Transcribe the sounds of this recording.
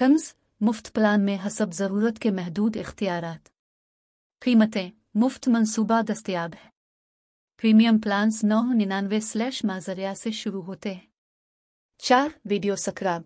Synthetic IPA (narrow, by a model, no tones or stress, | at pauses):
tʰɐmz | mʊft̪plaːnmẽɦɐsəbzɐɾuːɾət̪kemɛɦd̪uːd̪ɪxt̪ijaːɾaːt̪ | qiːmət̪ẽ | mʊft̪mɐnsuːbad̪ɐst̪ijaːbɦɛː | pɾiːmijəmplaːnsnɔːɦnɪnaːnʋeslɛːʃmaːzəɾijaseʃʊɾuɦoːt̪eɦɛ̃ː | t͡ʃaːɾʋiːɖijosɐkɾaːb